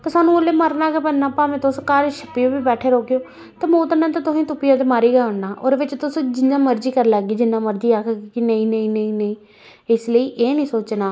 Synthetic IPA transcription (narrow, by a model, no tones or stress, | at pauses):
t̪eːsaːnũːoleːməɾnaːkepənnːaːpãːmẽːt̪ʊskaɾʃəpːijoːbiːbɛːʈʰeːɾoːkjoː | t̪aːmoːt̪ənãːt̪ãːt̪ʊsĩːt̪ʊpijãːd̪eːmaːɾiːɡaːʊɳnaːʔoːɾʋɪt͡ʃt̪ʊsd͡ʒɪnːãːməɾd͡ʒiːkəɾlaːɡiːd͡ʒɪnːãːməɾd͡ʒiːaːkʰɡiːkɪnəĩːnəĩːnəĩːnəĩː | ɪsləiːʔeːnĩːsoːt͡ʃnaː